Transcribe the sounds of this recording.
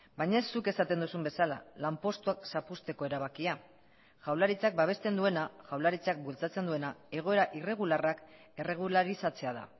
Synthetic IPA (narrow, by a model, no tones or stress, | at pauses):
bajɲaesːuke̞sat̪e̞nd̪usumbe̞sala̰lampo̞st̪uaksapust̪e̞ko̞e̞ɾaβ̞akia | ʝawlaɾit͡sak̚baβ̞e̞st̪e̞nd̪ue̞naʝawlaɾit͡sak̚bult͡sat͡se̞nd̪ue̞nae̞ɣ̞o̞e̞ɾaʔire̞ɣ̞ularak | ere̞ɣ̞ulaɾisat͡se̞aða̰